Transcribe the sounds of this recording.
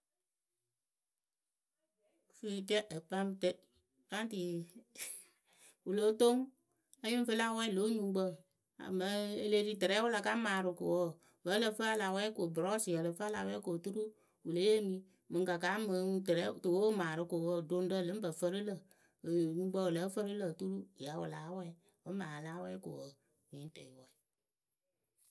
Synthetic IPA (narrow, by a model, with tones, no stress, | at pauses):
fi˦˨t͡ʃɛ˦ʔə˨pa˦mtɛ˦ | pa˦n˦ti˨ | wu˨lo˨˦to˦ŋ | ə˦ji˦ɱ˦fə˦la˦wɛ˦lo˨˦ɲu˦ɡ͡bə˦ | a̰˨mə˨˦e˨le˦di˦tɨ˨ɾɛ˨˦wʊ˦la˨ka˦maː˨ɾɨ˨ko̰˨wə˦˨ | və˨˦lə˨fə˦a˦la˨wɛ˦ko˨bɾɔ˦si˨jə˨lə˨fə˦a˦la˨wɛ˦ko˨tu˦ɾu˦ | wu˨lə˨˦e˦mi˦ | mɨ˨ka˨ka˨˦mə˨tɨ˨ɾɛ˨˦˨tɨ˨wo˦maː˨ɾɨ˨ko˨wə˦˨do˦n˦də˦˨lɨ˨˦m˦bə˨fə˦ɾə˦lə˨ | ɲu˨ɡ͡bə˦˨wlə˨˦fə˦ɾɨ˦lə˨tu˦ɾu˦˨ja˨˦wʊ̰˨la˨˦wɛ˦ | ə˨˦maː˨la˦wɛ˦ko̰˨wə˨ | wi˨˦n˦tɛ˨wɛ˦˨